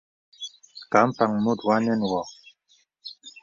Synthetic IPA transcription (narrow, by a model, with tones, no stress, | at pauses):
ka˨˦mpa˨ŋmu˦˨d̪wa˦nɛ˦nwɔ˨